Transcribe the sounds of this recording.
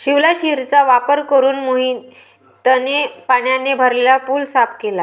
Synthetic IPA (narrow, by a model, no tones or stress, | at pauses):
ɕiʋlaɕiɾt͡saʋapəɾkəɾuːnmoɦi | t̪ənepaɳjanebʱəɾlelapuːlsapkela